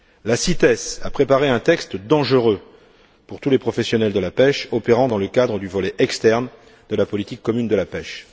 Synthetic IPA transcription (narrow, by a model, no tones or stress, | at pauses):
lasit̪ɛsapχepaʁeɛ̃t̪ɛkst̪d̪ɑ̃ʒəʁø | puʁt̪ulepχɔfɛsjɔnɛld̪əlapɛʃɔpeʁɑ̃d̪ɑ̃ləkad̪ʁəd̪yvɔlɛʔɛkst̪ɛʁn | d̪əlapɔlit̪ikːɔmynd̪əlapɛʃ